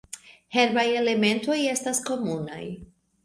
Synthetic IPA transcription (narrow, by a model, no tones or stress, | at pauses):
he̞ɾbaje̞le̞me̞nto̞je̞stasko̞muna̰j